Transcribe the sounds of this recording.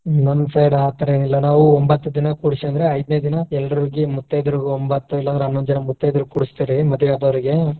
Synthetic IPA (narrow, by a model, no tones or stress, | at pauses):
nɐnsɐjɖaːt̪ɐɾɐeːnilːɐnaːʋuombɐt̪ːud̪inɐkuːɽisiɐnd̪ɐɾeɐjd̪neːd̪inɐɛlɐɖɾɾiɡimut̪ːejd̪ɐɾuɡuombɐt̪ːuilːɐnd̪ɾeɦɐnːond̪ud͡ʒinɐmut̪ːɐjd̪ɐɾuɡkuːɽist̪iːɾimɐd̪ʱjjaːd̪ɐʋɐɾiɡe̞